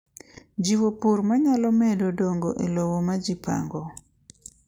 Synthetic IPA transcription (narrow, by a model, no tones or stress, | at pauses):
d͡ʒiwopuɾmaɲalɔmɛdodoŋɡoʔelowomad͡ʒipa̰ŋɡɔ